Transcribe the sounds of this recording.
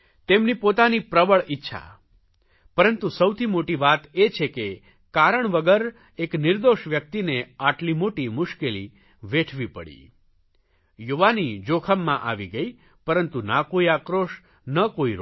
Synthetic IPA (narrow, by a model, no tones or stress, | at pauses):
t̪emnipot̪anipɾəbəɭɪtːʃʰa̰ | pəɾənt̪usəwt̪ʰimoʈiʋat̪et͡ʃʰeke | kaɾəɳʋəɡəɾ | eknɪɾd̪oʃʋjək̚t̪ineaʈlimoʈimʊʃkelḭ | ʋeʈʰʋipə̰ɽḭ | juʋanid͡ʒokʰəmːãʔa̰ʋiɡəi | pəɾənt̪unakoiakɾoʃ | nəkoiɾ